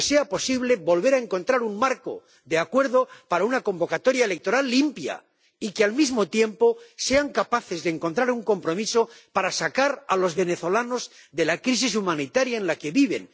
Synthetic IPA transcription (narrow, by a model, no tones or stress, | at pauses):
se̞apo̞siβle̞βo̞lβe̞ɾaeŋko̞nt̪ɾaɾuŋmaɾko̞̰ | d̪eakwe̞ɾðo̞paɾaunako̞mbo̞kat̪o̞ɾjaele̞k̚t̪o̞ɾalːimpja̰ | ikealmizmo̞t̪je̞mpo̞se̞aŋkapaθe̞zðeŋko̞nt̪ɾaɾuŋko̞mpɾo̞miso̞paɾasakaɾa̰lo̞zβe̞ne̞θo̞lano̞zd̪e̞lakɾis̬is̬umãnit̪aɾjaenlake̞βiβe̞̰n